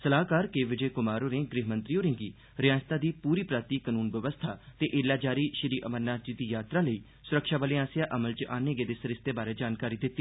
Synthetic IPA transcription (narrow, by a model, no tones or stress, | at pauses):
səlaːkaːɾkeːʋɪd͡ʒeːkʊmaːɾoːɾẽːɡɾɪɦmə̃nt̪ɾijoːɾẽːɡiː | ɾɪjãːst̪aːd̪iːpuːɾiːpɾaːt̪iːkənuːnʋəʋəst̪ʰaːt̪eːʔeːlaːd͡ʒaːɾiːʃəɾiːʔəmənnaːd͡ʒiːd̪iːjaːt̪ɾãːləiː | sʊɾəkʃaːʋaːleːaːsɪjaːʔəməlt͡ʃʔaːnẽːɡeːd̪eːsəɾɪst̪eːbaːɾeːd͡ʒaːnkaːɾiːd̪ɪt̪ːiː